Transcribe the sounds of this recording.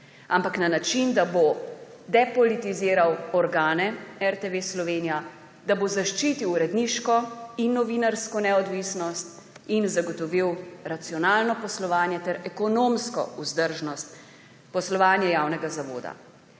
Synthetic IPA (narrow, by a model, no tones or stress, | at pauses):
ampaknanat͡ʃind̪abo | d̪ɛpɔlit̪iziːɾawɔɾɡaːnɛɛɾt̪eʋeslɔʋeːnija | d̪abozaʃt͡ʃiːt̪iwɾɛd̪niʃkɔinːɔʋiːnaɾskɔnɛɔd̪ʋisnɔst̪ | inzaɡɔt̪ɔʋiwɾat̪siɔnaːlnɔpɔslɔʋaːnjɛt̪ɛɾɛkɔnoːmskɔ̰uzd̪əɾʒnɔst̪ | pɔslɔʋaːnjɛjaːwnɛɡazaʋo̰ːd̪a̰